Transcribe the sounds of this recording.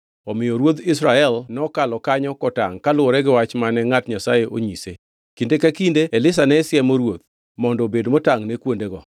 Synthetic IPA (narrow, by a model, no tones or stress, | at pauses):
ɔmɪjɔɾwot̪ɪs̬ɾaɛlnɔkalɔkaɲɔkɔta̰ŋkalʊɔɾɛɡɪwat͡ʃmanɛŋatɲasajeʔo̰ɲise | kindekakindeelɪs̬anɛsɪjɛmoɾwot̪̚ | mɔndɔbedmɔtaŋnekwondeɡɔ̰